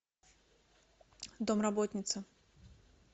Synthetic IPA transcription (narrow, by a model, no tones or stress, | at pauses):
d̪omrɐbot̪ʲnʲɪt̪sə